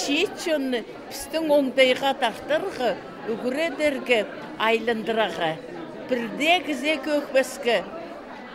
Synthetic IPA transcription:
ʃit̪t͡ʃonːə | pʰɪ̥st̪ɪŋwo̞ɴd̪ɑjʁɑt̪ʰɑɾt̪əɾʁə | ʊɡʲɪɾed̪e̞ɾɡʲɪ | ɑjlˠənd̪əɾəʁə | b̥ɪɾd̪ekʲʰɪzekʲɵkpeskʲɪ

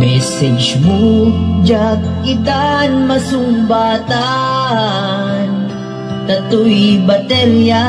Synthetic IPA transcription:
mesed͡ʒbud͡ʒaːkkid̪aːnmɐsumbaːt̪aː | n | t̪ɐt̪uibɐt̪eɾja

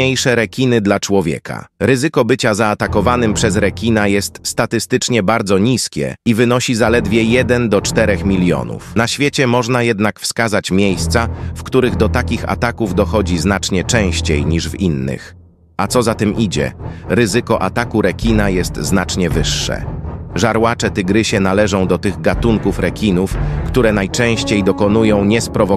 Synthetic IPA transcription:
ejʂɛɾɛkʲinɘd̪lat͡ʂwɔvʲjɛ̰kʰa̰ɾɘzɘkɔbɘt͡ɕazaːt̪akɔvanɘmpʂɛzɾɛkʲinajɛst̪st̪at̪ɘst̪ɘt͡ʂɲɛbaɾd̪zɔɲiskʲɛ̰ivɘnɔɕizalɛd̪vʲjɛjɛd̪ɛnd̪ɔt͡ʂt̪ɛɾɛxmʲilʲjɔ̰nṵfnaɕfʲjet͡ɕɛmɔʐnajɛd̪nakfskazat͡ɕmʲejst̪safkt̪uɾɘɣd̪ɔt̪akʲixa̰t̪akuvd̪ɔxɔd͡ʑiznat͡ʂɲɛt͡ʂɛ̃w̃ɕt͡ɕejɲiʐvinːɘ̰x | at̪sɔzat̪ɛmʔid͡ʑɛ̰ɾɘzɘkɔʔat̪akuɾɛkʲinajɛst̪znat͡ʂɲɛvɘʂːɛ̰ʐaɾwat͡ʂɛt̪ɘɡɾɘɕɛnalɛʐɔ̃w̃d̪ɔt̪ɘɣɡat̪uŋkufɾɛkʲinufkt̪uɾɛnajt͡ʂɛ̃w̃ɕt͡ɕejd̪ɔkɔnujɔ̃w̃ɲɛspɾɔvɔ

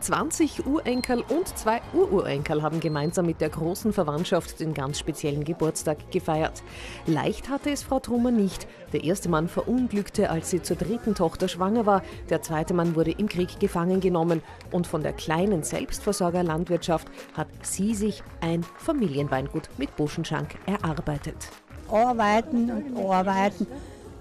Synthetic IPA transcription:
t͡sv̥a̰nt͡sɪçʔuːɐʔɛŋkʰl̩ʔʊntt͡sv̥aɪʔuːɐʔuːɐʔɛ̰ŋkəl̩ɦaːbm̩ɡəmaɪnzaːmːɪt̚d̥eːɐɡʁoːsn̩fɛɐvantʃaftd̥eːnɡa̰nt͡sʃpet͡sjɛlən̩ɡəbʊɐt͡staːkɡ̥əfaɪɐ̰t | la̰ɪçthatəɛsfʁ̥aʊtʁuːmɐnɪçt | d̥eːɐʔeːɐstəmanfɛɐʔʊnɡlʏktʰəʔalsz̥iːt͡suːɐdʁɪtn̩tʰɔχtɐʃv̥aŋɐvaːɐd̥eːɐt͡sv̥aɪtəmanvʊɐɾəʔɪmkʁ̥iːkɡ̥əfaŋənɡənɔmən | ʔʊntfɔndḛːɐkʰl̥aɪnənz̥ɛ̰lpstfɛɐzɔɐɡɐlantv̥ɪɐtʃafthatz̥iːzɪçʔaɪnfamiːljənvaɪnɡ̥uːtmɪt̚b̥ʊʃn̩ʃa̰ŋkʔɛɐʔaɐbaɪtət | ʔaɐbaɪtn̩ʊntaɐbaɪtn̩

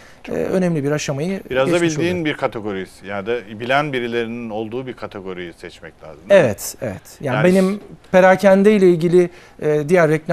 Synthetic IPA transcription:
ɛ̰ø̞nɛmlʲibiɾaʃamajɯbiɾazd̪abilʲd̪iːnbiɾkʰat̪ʰeɡo̞ɾisjad̪abilʲænbiɾilʲe̞ɾinino̞lˠd̪uːbiɾkʰat̪ʰeɡo̞ɾijisɛt͡ʃmɛclʲa̰ːzɯmevɛt̪evɛt̪janbenimpʰeɾaːcʰænd̪ɛjlʲɛilʲɟilʲɪ | ɛːd̪ijæɾːɛclʲ

